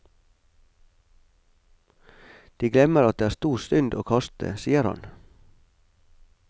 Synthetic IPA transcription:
d̪̥iːɡlɛməɾɑt̪̚d̪eːæːst̪uːst̪ʏnd̪oːkʰɑst̪ʰə̰siːəɾhɑ̰n

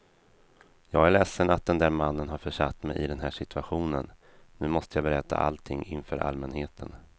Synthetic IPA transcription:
jɑːɡæɭɛsːənat̪̚d̪ɛnd̪æːɾmanːənɦaɾfœʂat̪ːmɛjʔɪd̪ɛnɦæːʂɪt̪ʰɵaɧuːnən | nːʉ̟ːmɔst̪əjɑːbɛɾɛt̪ʰːa̰ʔa̰lt̪ʰɪŋːɪnfœːɾʔa̰lmɛnheːt̪ʰən

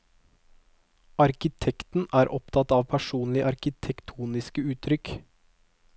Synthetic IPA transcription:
ɑɾkɪt̪ʰɛkt̪n̩æːɾʔɔpt̪ʰɑt̪ɑːʋpʰæʃuːnlɪʔɑɾkɪt̪ʰɛkt̪ʰuːnɪskəʉːt̪ʰɾʏk

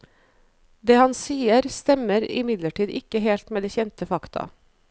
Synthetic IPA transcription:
d̪eːhɑnsiːəɾst̪ɛməɾɪ̰mɪd̪ləʈʰiːd̪ɪkəɦeːlt̪meːd̪eːçɛnt̪əfɑkt̪ʰɑ̰

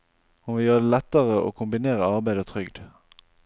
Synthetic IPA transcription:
hʊnʋɪljøːʁəd̪eːlɛt̪ːəʁəʔo̰ːkʰʊmbɪneːʁəɑʁbæɪd̪ət̪ʰʁʏɡd̪

